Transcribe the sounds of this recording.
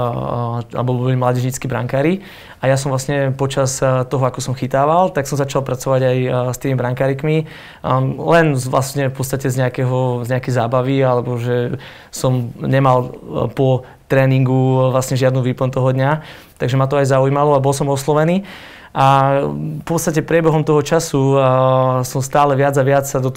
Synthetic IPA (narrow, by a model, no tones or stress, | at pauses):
a̰bɔlbɔlimlaɟɛʒɲit͡skibɾa̰ŋkaːɾi | ajas̬ɔmvlˠasɲɛpɔt͡ʃast̪ɔɦɔakɔsɔmxit̪aːʋalt̪aksɔmzat͡ʃalˠpɾat͡sɔʋaɟajst̪iːmibɾaŋkaːɾikmi | lɛnʋla̰sɲɛfpɔtt͡st̪acɛzɲɛakɛɦɔzɲɛakɛjzaːbaʋialɛbɔʒɛ | sɔmɲɛmalpɔ | t̪ɾɛːniŋɡuʋlasɲɛʒɪad̪nuʋiːplɔnt̪ɔɦɔd̪ɲa | t̪aɡʒɛmat̪̬ɔajzaujmalɔabɔls̬ɔmɔslɔʋɛniː | ʔa | pɔtt͡sst̪acɛpɾɪɛbɛɦɔmt̪ɔɦɔt͡ʃasu | sɔmst̪aːlɛʋɪad͡zaʋɪat͡ssad̪ɔt̪